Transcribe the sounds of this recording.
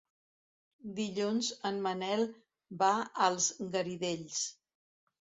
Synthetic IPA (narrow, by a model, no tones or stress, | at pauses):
d̪iʎunzənmənɛlˠ | baəlˠzɡəɾiðeʎs